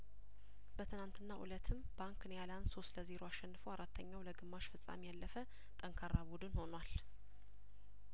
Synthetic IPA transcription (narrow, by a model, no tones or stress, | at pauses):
b̥ət̪ʰɨnant̪ʰɨnːaʔṵlət̪ʰːɨmbaŋkɨnjaland̪so̞st̪ləzeɾoaʃːɛnːɨfəwaɾat̪ʰːəɲːawləɡɨmːaʃfɨsʼa̰mijalːəfə | t̪ʼəŋkʰaɾːabud̪ɨnho̞nwal